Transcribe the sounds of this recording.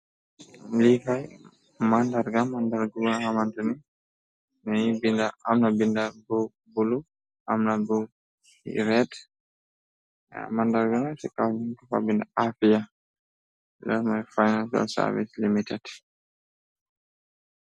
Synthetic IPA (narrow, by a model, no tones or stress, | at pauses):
likaj | mandaɾɡamandaɾɡuɡanhamantuni | naibindaamnabindabɔw | bulu | ʔamnabu | ɾɛd | mandaɾɡanasɛkawniŋkafa̰bindaʔafija | dɛɾmajfajnansɔ̰lsa̰ɾvḭslimitɛd̥